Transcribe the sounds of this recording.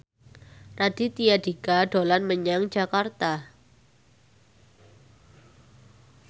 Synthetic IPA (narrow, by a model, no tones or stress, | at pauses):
rad̥it̪ijadikaɖolanməɲaŋd͡ʒakart̪a